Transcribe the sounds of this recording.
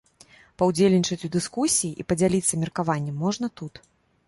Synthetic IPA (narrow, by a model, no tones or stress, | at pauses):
pɐwd͡zʲelʲnʲit͡ʂɐt͡sʲud̪ɨskusʲijiʔipɐd͡zʲalʲit̪sːɐmʲɛrkavanʲːɛmːɔʐnɐt̪ut̪